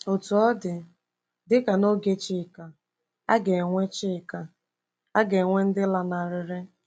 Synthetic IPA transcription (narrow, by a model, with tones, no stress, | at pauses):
o˨tu˨ɔ˦dɪ˨ | dɪ˦ka˨no˦ɡe˦t͡ʃɪ˦˨ka˨ | a̰˦ɡe˨ŋʷe˦t͡ʃɪ˦˨ka˨ | a˦ɡe˨ŋʷe˦n̩˦dɪ˦la˨na˨ɾɪ˨ɾɪ˦